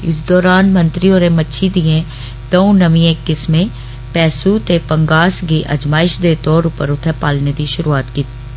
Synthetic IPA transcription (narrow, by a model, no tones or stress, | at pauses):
ɪ̰sd̪ɔːɾaːnmɐ̃nt̪ɾioːɾemɐtːʃʰid̪iẽ | d̪oũnɐmĩẽkːɪsmẽ | pɛːsut̪epɐ̃ŋɡaːsɡiʔɐ̰d͡ʒmaːɪʃd̪eːt̪ɔːɾupəɾʊt̪ʰəpaːlned̪iʃʊɾuaːt̪kiːt̪i